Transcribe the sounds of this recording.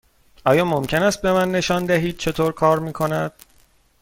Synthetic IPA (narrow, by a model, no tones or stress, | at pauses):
ʔɒːjɒːmomcʰe̞næst̪̚be̞mænːe̞ʃɒːnd̪æɦiːd̪̥̚t͡ʃʰe̞t̪ʰoːɾkʰɒːɾmiːkʰo̞næd̪̥